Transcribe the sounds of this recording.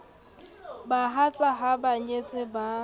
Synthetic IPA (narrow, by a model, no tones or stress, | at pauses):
baɦat͡sʼaɦabaɲet͡sʼɪba